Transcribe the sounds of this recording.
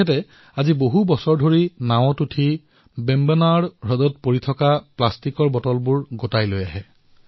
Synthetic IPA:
ɛtɛ | aziboɦubɔsɔɹdʱoɹinaw̃ɔtutʰi | bɛmbɛnaɹɹɔdɔtpoɹitʰɔkaplastikɔɹbɔtɔlbuɹɡotajlojaɦɛ

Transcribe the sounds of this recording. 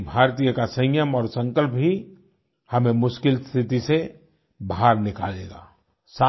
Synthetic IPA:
bʱaːɾt̪ijəkasə̃jjəmɔːɾsə̃ŋkəlp̚ɦi | hɐmẽmʊʃkɪlst̪ʰɪt̪ise | baɦaɾnɪka̰ːlḛːɡa̰ː | saː

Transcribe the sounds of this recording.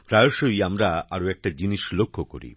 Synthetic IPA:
pɾajoʃojamɾaaɾoɛk̚ʈad͡ʑiniʃlokʰːoko̰ɾḭ

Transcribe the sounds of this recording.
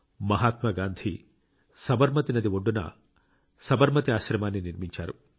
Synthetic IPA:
mɐɦaːt̪mɐɡaːnd̪ʱi | sɐbɐɾmɐt̪inɐd̪ioɖːunɐ̰ | sɐbɐɾmɐt̪iaːʃɾɐmaːnːiniɾmiɲt͡ʃa̰ːɾu

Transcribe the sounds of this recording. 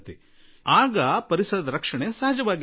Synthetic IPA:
t̪i | aːɡɐpɐɾisɐɾd̪ɐɾɐkʂɐɳesɐɦɐd͡ʒɐʋaːɡ

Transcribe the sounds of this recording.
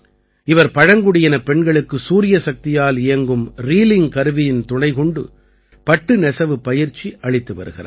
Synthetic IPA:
ɪʋɐɾpɐɻɐŋɡɯɽɪjɐnɐpɛɳɡɐɭɯkːɯsuːɾɪjɐsɐk̚t̪ɪjaːlɪjɐŋɡɯmɾiːlɪŋkɐɾɯʋɪjɪnt̪ʊɳɐɪkɔɳɖɯ̰ | pɐʈːɯnɛsɐʋɯpːɐjɪɾt͡ʃːiʔɐɭɪt̪ːɯʋɐ̰ɾɯ̰ɣɪ̰rɐ̰

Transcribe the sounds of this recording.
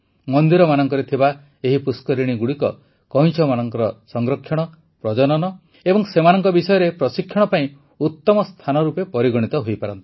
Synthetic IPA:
mɔnd̪iɾɔmanɔŋkɔɾet̪ʰiba | eɦipuskɔɾiɽ̃iɡuɽikɔ̰ | kɔɦĩt͡ʃʰɔmanɔŋkɔɾɔsɔŋɡɾɔkʰːjɔɽ̃ɔ | pɾɔd͡ʒɔnɔnɔ | ebɔŋsemanɔŋkɔbisɔjɔɾepɾɔsikʰːjɔɽ̃ɔpaĩ | ut̪ːɔmɔst̪ʰanɔɾupepɔɾiɡɔɽ̃it̪ɔɦojpaɾɔnt̪i̥

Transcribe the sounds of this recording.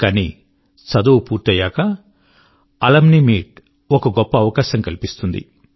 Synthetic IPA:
kɐnḭ | sɐd̪uwpuːɾt̪ɐjaːkɐ | ɐlɐmnimiːʈ̚ | ɔkɐɡɔpːɐːʋɐkaːʃɐmkɐlipist̪und̪ḭ

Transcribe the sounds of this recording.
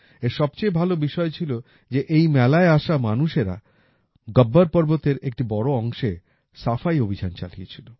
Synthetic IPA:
eɾʃɔb̚t͡ɕejbʱalobiʃɔet͡ɕʰilo | d͡ʑeʔejmɛlaeaʃamanuʃeɾa̰ | ɡəbːaɾpɔɾbot̪eɾek̚ʈibɔɽoɔŋʃe | safajobʱid͡ʑant͡ɕa̰liet͡ɕʰilo

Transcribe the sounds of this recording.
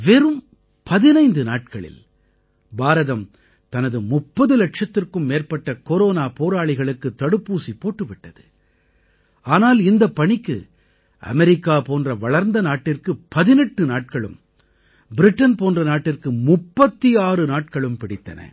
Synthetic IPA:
ʋɛːɾɯm | pɐðɪnɐɪnd̪ɯnaːʈ̚kɐɭɪ̰l | baːɾɐðɐm | t̪ɐnɐðɯmʊpːɐðɯlɐʈʂɐt̪ːɪrkɯmːeːrpɐʈːɐkoɾoːnaːpoːɾaːɭɪɣɐɭɯkːɯt̪ːɐɽɯpːuːsipːoːʈːɯʋɪʈːɐðɯ | aːnaːlɪnd̪ɐpːɐɳɪkːɯ̰ | ʔɐ̰mɛɾɪkːaːpoːndrɐʋɐɭɐɾnd̪ɐnaːʈːɪrkɯpɐðɪnɛʈːɯnaːʈ̚kɐɭɯ̰m | bɪɾɪʈːɐnpoːndrɐnaːʈːɪrkɯmʊpːɐt̪ːiaːrɯnaːʈ̚kɐɭɯmpɪɽɪt̪ːɐ̰nɐ̰

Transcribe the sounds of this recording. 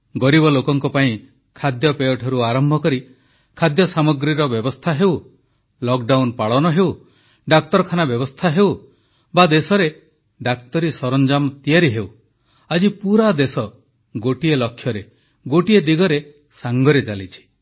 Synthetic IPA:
ɡɔɾibɔlokɔŋkɔpaĩ | kʰad̪jɔpejɔʈʰɔɾuaɾɔmbʱɔkɔɾi | kʰad̪jɔsamɔɡɾiɾɔbjɔbɔst̪ʰaɦew | lɔk̚ɖawnpaɭɔnɔɦew | ɖak̚t̪ɔɾɔkʰanabjɔbɔst̪ʰaɦew | bad̪esɔɾe | ɖakt̪ɔɾisɔɾɔnd͡ʒamt̪ijaɾiɦew | ad͡ʒipuɾad̪esɔ | ɡoʈielɔkʰjɔɾe | ɡoʈied̪iɡɔɾe | saŋɡɔɾet͡ʃalit͡ʃʰi̥

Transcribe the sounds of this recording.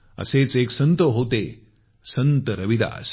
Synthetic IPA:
ə̰seːt͡seːksənt̪əɦot̪e | sɐnt̪əɾɐʋid̪a̰ːs

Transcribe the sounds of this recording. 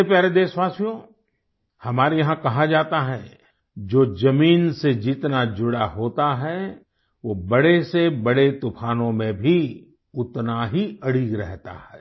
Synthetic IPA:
epjaːɾed̪eːsʋaːsjõː | hɐmaːɾejɐɦãkɐɦad͡ʒaːt̪aɦɛː | d͡ʒoːd͡ʒɐmiːnsed͡ʒɪt̪nad͡ʒʊɽaɦoːt̪aɦɛ | ʋoːbɐɽesebɐɽet̪ʊpʰaːnõmẽbʱi | ʊt̪naɦiɐɽiːɡɾɛɦt̪a̰hɛ̰ː

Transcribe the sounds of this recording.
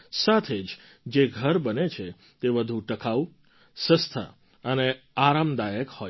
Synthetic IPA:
sat̪ʰed͡ʒ | d͡ʒeɡʱəɾbənet͡ʃʰe | t̪eʋəd̪ʱũʈəkʰau | sə̃st̪ʰə̰ | əne | aɾamd̪ajəkhoj

